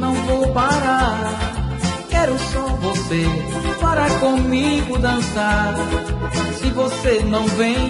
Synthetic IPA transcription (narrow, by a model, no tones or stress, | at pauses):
nɐ̃w̃vowpaɾaɾ | kɛɾʊsɔvosepaɾakõmiɡʊd̪ɐ̃saɾ | sivosenɐ̃w̃vẽj̃